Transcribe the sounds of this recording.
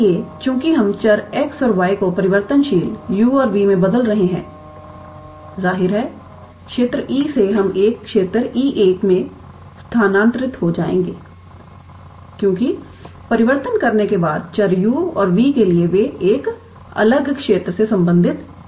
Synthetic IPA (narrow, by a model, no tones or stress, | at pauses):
ekjõːkiɦɐmt͡ʃɐɾɛksɔːɾʋaːikopɐɾɪʋəɾt̪ənʃiːljuːɔːɾʋiːmẽbɐd̪əlɾɐɦeɦɛ̰̃ː | zaːɦɪɾɦɛː | kʃeːt̪ɾəʔiːseɦɐmʔeːkːʃeːt̪ɾiːʔeːkmẽ | st̪ʰaːnãːnt̪ɾɪt̪ɦod͡ʒaːḛ̃ːŋɡeː | kjõːki | pɐɾɪʋəɾt̪ənkɐɾnekebaːd̪̚t͡ʃɐɾjuːɔ̰ːɾʋiːkelieʋeeːk | ɐ̰ləɡkʃeːt̪ɾəsesɐ̃mbə̃nd̪ʱɪt̪